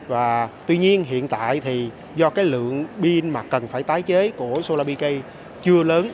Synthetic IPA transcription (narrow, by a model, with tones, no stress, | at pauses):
vaː˨˩t̪wi˧ɲi˧ənɦḭ˧˨ənt̪a̰ː˧˨jt̪ʰi˨˩ | zɔ˧kaː˨˦jlɨ̰˧˨əŋɓi˧ənmaː˨˩kə˨˩nfaː˧˩jt̪aː˨˦jt͡ɕe˨˦ku˧˩əso˧laː˧ɓi˧kə˧j | t͡ɕɨ˧ələː˨˦n